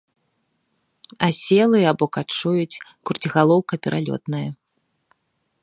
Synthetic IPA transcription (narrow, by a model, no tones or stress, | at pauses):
asʲɛlˠɨjabɔkat͡ʂujut͡sʲkurt͡sʲiɣalˠɔwkɐpʲɛɾʔalʲɔ̰t̪nɐjɐ